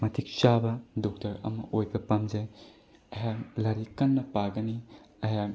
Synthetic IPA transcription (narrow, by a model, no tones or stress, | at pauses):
mɐtʰik̚t͡ʃabɐdɔk̚tɐɾɐ̰mɐ̰ʔojbɐpɐmd͡ʒɐj | ɐjalɐɾikɐnːɐpaɡɐni | ɐja